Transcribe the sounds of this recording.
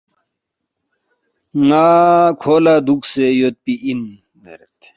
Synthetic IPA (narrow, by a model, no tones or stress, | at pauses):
ŋaːkʰoːlaːd̪ukʰsejot̪̚piʔin | ɡḛɾet̪